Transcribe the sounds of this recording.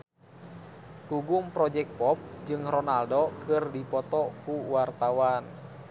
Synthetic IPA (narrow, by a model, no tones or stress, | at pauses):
kuɡumpɾɔd͡ʒɛk̚t̚pɔp̚d͡ʒɨŋrɔnaldɔkɨrdipɔt̪ɔkuwart̪awan